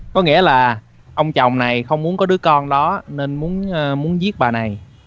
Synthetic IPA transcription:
kɔ˨˦ŋḭ˧˥əlaː˨˩ | ʔə˧wŋ͡mt͡ɕɔ˨˩wŋ͡mna˨˩jxə˧wŋ͡mmu˨˦ənkɔ˨˦ɗɨ˨˦əkɔ˧nɗɔ˨˦ne˧nmu˨˦ənəː˧mu˨˦ənzi˦˥ət̚ɓaː˨˩na˨˩j

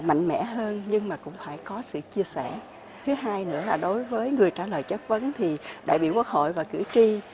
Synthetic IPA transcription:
ma̰˧˨jŋ̟mɛ̰˧˥ɦəː˧nɲɨ˧ŋmaː˨˩kʊ̰˧˥ŋ͡mfaː˧˩jkɔ˨˦sɨ̰˧˨t͡ɕi˧əsɛ˧˩ | t̪ʰɨ˨˦ɦaː˧jnɨ̰˧˥əlaː˨˩ɗo˨˦jvəː˨˦jŋɨ˨˩əjt͡ɕaː˧˩ləː˨˩jt͡ɕə˦˥k̚və˨˦nt̪ʰi˨˩ɗa̰ː˧˨jɓḭ˧˨wkwu˦˥k̚ho̰˧˨jvaː˨˩kɨ̰˧˩ət͡ɕi˧

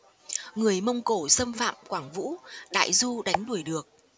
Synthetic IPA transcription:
ŋɨ˨˩əjmə˧wŋ͡mko˧˩sə˧mfa̰ː˧˨mkwaː˧˩ŋvṵ˧˥ɗa̰ː˧˨jzu˧ɗa˨˦jŋ̟ɗu˧˩əjɗɨ˨˩ək̚

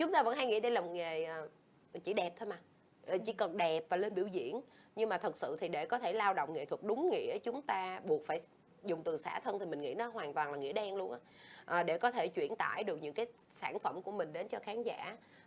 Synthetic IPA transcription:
t͡ɕʊ˨˦ŋ͡mt̪aː˧və̰˧˥nha˧jŋḭ˧˥ɗə˧jla˨˩m̚˨˩ŋe˨˩ʔ | t͡ɕḭ˧˩ɗɛ˨˩p̚t̪ʰoː˧jma˨˩ | ʔt͡ɕḭ˧˩kə˨˩nɗɛ˨˩p̚vaː˨˩le˧nɓḭ˧˩əwzḭ˧˨ənɲɨ˧ŋmaː˨˩t̪ʰə˨˩k̚sɨ̰˧˨t̪ʰi˨˩ɗe˧˩kɔ˨˦t̪ʰe˧˩laː˧wɗo̰˧˨ŋ͡mŋḛ˧˨t̪ʰwə˨˩k̚ɗʊ˨˦ŋ͡mŋḭ˧˥ət͡ɕʊ˨˦ŋ͡mt̪aː˧ɓu˨˩ək̚faː˧˩j | zʊ˨˩ŋ͡mt̪ɨ˨˩sa̰ː˧˩t̪ʰə˧nt̪ʰi˨˩mï˨˩ŋ̟ŋḭ˧˥nɔ˨˦ɦwaː˨˩nt̪waː˨˩nlaː˨˩ŋḭ˧˥əɗɛ˧nlu˧ənʔaː˧˥ʔəː˨˩ɗe˧˩kɔ˨˦t̪ʰe˧˩t͡ɕwḭ˧˩ənt̪a̰ː˧˩jɗɨ˨˩ək̚ɲɨ̰˧˥ŋkaː˨˦j | saː˧˩nfə˧˩mku˧˩əmï˨˩ŋ̟ɗe˨˦nt͡ɕɔ˧xaː˨˦nza̰ː˧˥

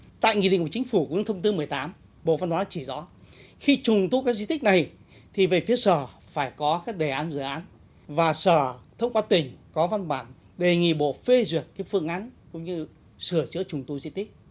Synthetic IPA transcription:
t̪a̰ː˧˨jŋḭ˧˨ɗḭ˧˨ŋku˧˩˨t͡ɕï˨˦ŋ̟fu˧˩kt̪ʰə˧ŋ͡mt̪ɨ˧mɨ˨˩əjt̪aː˨˦m | ɓo̰˧˨va˧nhwaː˨˦t͡ɕi˧˩zɔ̰˨˦xi˧t͡ɕʊ˨˩ŋ͡mt̪u˧kaː˦˥k̚zḭ˧t̪ï˦˥k̚na˨˩j | t̪ʰi˨˩və˨˩fi˨˦əsəː˧˩ | faː˧˩jkɔ˨˦kaː˦˥k̚ɗe˨˩ʔaː˨˦nzɨ̰˧˩˨ʔaː˨˦n | vaː˨˩səː˧˩t̪ʰə˧wŋ͡mkwaː˧t̪ï˨˩ŋ̟kɔ˨˦va˧nkaː˧˩n | ɗe˨˩ŋḭ˧˨ɓo̰˧˨fe˧zwi˨˩ək̚kaː˨˦jfɨ̰˧əŋʔa˨˦nkʊ̰˧˥ŋ͡mɲɨ˧ | sɨ˧˩əzɨ̰˧˥ət͡ɕʊ˨˩ŋ͡mt̪ṵ˧zḭ˧t̪i˦˥k̚

